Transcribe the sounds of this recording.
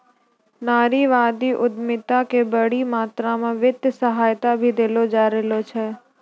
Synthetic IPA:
naːɾiʋaːd̪iʔʊd̪mɪt̪akebəɽimaːt̪ɾamãʋɪt̪səɦaːjt̪abʱid̪elod͡ʒaːɾelot͡ʃʰɛ

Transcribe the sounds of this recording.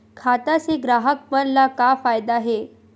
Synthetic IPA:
kʰat̪aseɡɾaɦək̚pənlakafajd̪aɦe

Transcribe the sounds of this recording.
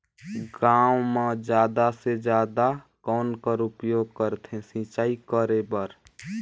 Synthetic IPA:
ɡãwmãd͡ʒjaːd̪ased͡ʒjaːd̪a | kɔːnkəɾupjoːɡ̚kəɾt̪ʰẽsĩt͡ʃaːikəɾebəɾ

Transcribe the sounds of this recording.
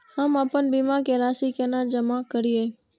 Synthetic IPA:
həmapənbimakeɾaʃikanad͡ʒəmakəɾie

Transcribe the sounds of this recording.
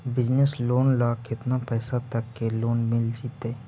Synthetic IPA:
bɪd͡ʒnesloːnlaːkɪt̪napɛːsat̪əkːeloːnmɪld͡ʒiːt̪eː

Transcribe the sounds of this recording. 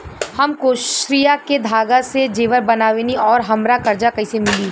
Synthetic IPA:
hɐmkoʃɾijaked̪ʱaːɡased͡ʒeːʋəɾbɐnaːʋeniɔːɾɦɐmɾakɐɾd͡ʒakɐisemɪli

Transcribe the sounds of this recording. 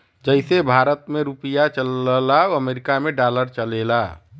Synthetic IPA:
d͡ʒəɪsebʱaːɾət̪meɾupijat͡ʃəllaoəmeːɾɪkamẽɖaːləɾt͡ʃəleːlaː

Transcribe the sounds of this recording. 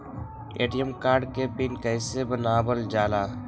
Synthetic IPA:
ḛːʈijəmkaːɾɖkepɪnkəɪsebənaːbəld͡ʒaːlaː

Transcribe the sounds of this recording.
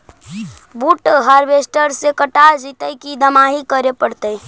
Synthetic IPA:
buːʈɦaːɾʋeːsʈəɾsekəʈad͡ʒiːt̪əkid̪əmaːɦikəɾepəɽt̪əi

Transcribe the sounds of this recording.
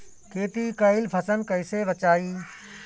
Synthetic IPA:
keːt̪ikɐɪlpʰɐsənkɐɪseʋɐt͡ɕaːiː

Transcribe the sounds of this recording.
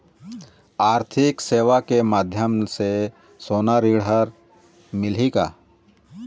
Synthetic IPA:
aːɾt̪ʰɪkseːʋakemaːd̪ʱjəmse | soːnaɾiːɽɦəɾ | mɪlikaː

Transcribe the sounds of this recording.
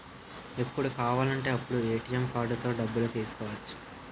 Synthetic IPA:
epːuɽukaːʋaːlɐɳʈe̞ːɐpːuɽueːʈijɐmkaːɾɖut̪o̞ːɖɐbːulut̪iːsu̥kɔːʋɐt͡ʃːu̥

